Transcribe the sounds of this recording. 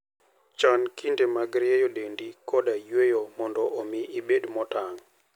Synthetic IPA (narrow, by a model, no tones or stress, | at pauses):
t͡ʃankindemaɡɾɪɛjɔdendikɔdajwejomɔndɔʔomiʔibedmɔtaŋ